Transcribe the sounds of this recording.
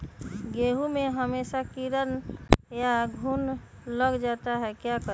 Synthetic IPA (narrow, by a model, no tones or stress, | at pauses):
ɡeɦumeɦəmesakiɾənjaɡʱun | ləɡd͡ʒat̪aɦɛkjakə